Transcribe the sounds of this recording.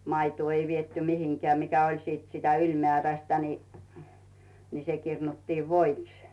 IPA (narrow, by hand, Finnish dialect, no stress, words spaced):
mɑituː ei ʋietːy mihiŋkĕæˑ mikæ olʲ siːt sitæ ylʲmeæˑræstæ ni ni se kirnutːiːʋ ʋoiks